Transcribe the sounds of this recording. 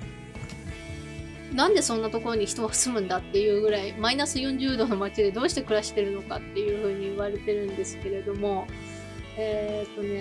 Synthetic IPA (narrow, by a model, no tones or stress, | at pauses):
nãnd̪e̞sõ̞nːat̪o̞ko̞ɾo̞ɲ̟içi̥t̪o̞βḁsɨmɯ̟̃nd̪at̪ːe̞jɯ̟ːɡɯ̟ɾaimainasɨjõ̞ɲ̟d͡ʑɨːd̪o̞no̞mat͡ɕid̪e̞d̪o̞ːɕi̥t̪e̞kɯ̟ɾaɕi̥t̪e̞ɾɯ̟no̞ka̰t̪ːe̞jɯ̟ːɸɯ̟ːɲ̟iːβaɾe̞t̪e̞ɾɯ̟̃nd̪e̞sɨ̥ke̞ɾe̞d̪o̞mo̞ | eːt̪ːo̞ne̞